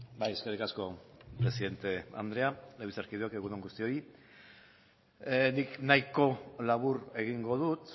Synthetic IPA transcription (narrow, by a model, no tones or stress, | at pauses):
bajeskerikasko̞pɾesiðe̞nt̪e̞a̰nd̪ɾe̞aleβisaɾkiðuekeɣuðoŋɡust̪io̞i | niknajko̞laβuɾe̞ɣ̞iŋɡo̞ðut̪